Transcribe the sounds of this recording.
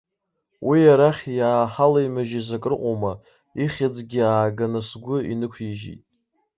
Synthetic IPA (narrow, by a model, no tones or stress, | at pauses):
wʔijaɾaχʲjaːħalajmaʒizakʼɨrqʷʼoma | iχʲad͡zɡʲɪaːɡanasɡʷʊinɨkʷʰiʒḭtʼ